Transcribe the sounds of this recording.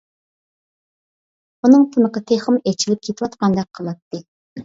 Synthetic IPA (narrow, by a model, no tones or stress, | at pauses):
unɨŋt̪ʰɨnəqɑt̪ʰeχɨmet͡ʃʰilɪp̚kʲʰet̪ʰɪwɑt̪qɑnd̪ɑq̚ʰːəlˠɑt̪ːɨ